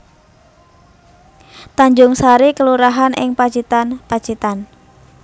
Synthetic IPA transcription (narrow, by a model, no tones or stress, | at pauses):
t̪aɲd͡ʒʊŋsaɾikəluɾaɦanʔɪ̰ŋpḁt͡ʃit̪anpḁt͡ʃit̪an